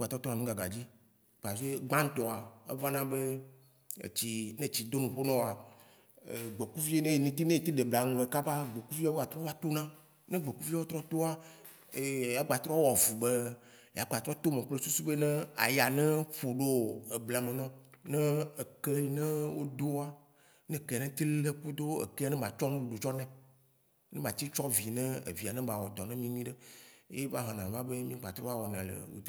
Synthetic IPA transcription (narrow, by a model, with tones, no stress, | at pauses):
ɡ͡ba˨t̪ɾɔ˦t̪ɔ˦a˨nũ˦ɡa˨ɡa̰˨d͡ʑi˦ | k͡pa˨vi˦e˦ɡ͡bã˦ŋ̩˦t̪ɔ˨a˨ḛ˦va˦nã˦be˦ | ḛ˨t͡ɕi˨nɛ̃˦t͡ɕi˨d̪o˦nũ˨ɸo˦nɔ̃˦wa˨ | ɡ͡be˨ku˦vi˦e˦nẽ˦je˨nĩ˨t̪i˦nẽ˦e˨t̪i˦ɖe˨bla˨ŋũ˨le˨ka˦ba˦ɡ͡be˨ku˦vi˦a˦ɡa˨t̪ɾɔ˦a˦t̪o˦nã˦ | nɛ̃˦ɡ͡be˨ku˦vi˦o˦t̪ɾɔ˦t̪o˦a˦˨ | ja˦ɡ͡ba˨t̪ɾɔ˦wɔ˨vu˨be˦ | ja˨ɡ͡ba˨t̪ɾɔ˦t̪o˦mẽ˨k͡ple˦su˦su˦be˦nɛ̃˦a̰˨ja˨nɛ̃˦ɸo˨ɖo˦e˨bla˨mẽ˨nɔ̃˦nɛ̃˦e˨ke˦i˨nɛ̃˦wo˦d̪o˦a˦ | nɛ̃˦ke˦˨nɛ̃˦t̪i˦lle˦ku˦d̪o˦ḛ˨ke˦a˦nɛ̃˦mã˨t͡ʃɔ˦nũ˦u˨ɖu˨t͡ʃɔ˦nɛ̃˦ | nɛ̃˦mã˨t̪i˦t͡ʃɔ˦vi˨nɛ̃˦ḛ˨vi˨a˨nɛ̃˦ba˨wɔ˨d̪ɔ˨nɛ̃˦mĩ˦mĩ˦ɖe˦ḛ˦je˦va˦ɦɔ̃˨nã˨va˦be˦mĩ˦ɡ͡ba˨t̪ɾɔ˦a˦wɔ˨nã˨lḛ˨wṵ˨˦˨